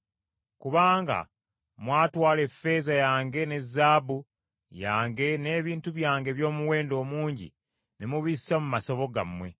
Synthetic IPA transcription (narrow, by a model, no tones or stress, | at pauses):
kuβaːŋɡa̰ | mwaːtwaːle̞fːe̞zajaːŋɡe̞ne̞zːaːbu | jaːŋɡe̞ne̞ːβiːntuβjaːŋɡe̞βjo̞ːmuwe̞ːndo̞ːmuːɲɟḭ | nemuβissamumaso̞βo̞ɡa̰mwe̞